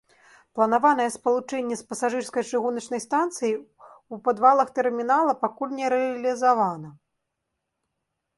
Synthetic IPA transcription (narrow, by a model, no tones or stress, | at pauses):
plˠɐnavan̪ɐjɛspɐlˠut͡ʂɛnʲːɛspɐsaʐɨrskɐjt͡ʂɨɣunɐt͡ʂnɐjst̪ant̪sɨjiupad̪valˠɐxt̪ɛrmʲinalˠɐpakulʲnʲɛɾɛɐlʲizavanɐ